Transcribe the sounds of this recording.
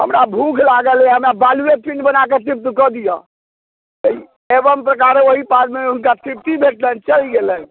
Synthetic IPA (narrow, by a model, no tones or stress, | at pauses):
ɦə̰mɾabʱukʰlaɡəlɛɦəmɾabaluet̪piɳɖbənaket̪ip̚t̪ikɔd̪ijə̃ | t̪əi | ebəmpɾəkaɾeoɦipat̪meunkasipt̪ibʱeʈlənt͡ʃəliɡelən